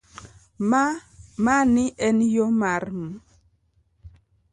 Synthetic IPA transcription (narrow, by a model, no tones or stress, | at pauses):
mmaniʔɛnjomaɾm